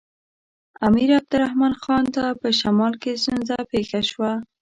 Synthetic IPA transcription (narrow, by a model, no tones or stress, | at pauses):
amiɾab̚d̪ʊɾahmɑnxɑnt̪apəʃamɑlkes̬t̪unzapexaʃwa